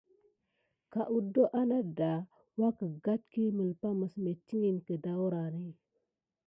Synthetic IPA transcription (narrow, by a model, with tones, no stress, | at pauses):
ka˨ʔu˦do˦ʔa˦na˦da˨ | wa˦kə˨ɡa˦t̚ki˦mə˨lpa˦mə˨sme˨ti˦ŋi˨nkə˨da˦wɾa˨ni˦